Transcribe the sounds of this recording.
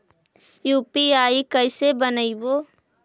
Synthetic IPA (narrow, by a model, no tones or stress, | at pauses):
juːpiaːikəɪsebənəiboː